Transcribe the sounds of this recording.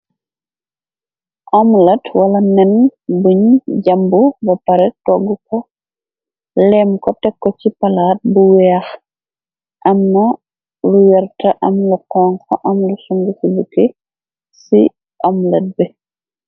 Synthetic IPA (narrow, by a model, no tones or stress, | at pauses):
ʔamlɐtwɐlɐnɛnbuɲɟambubɐpɐɾɛtɔɡukɔ | lɛmkɔtɛkːɔcipɐlaːt̚buwɛx | ʔɐmnɐ | luwɛɾtɐʔɐmluqɔːŋka̰ʔɐmlusuŋɡukubuke | sḭ | amlɐt̚bɛ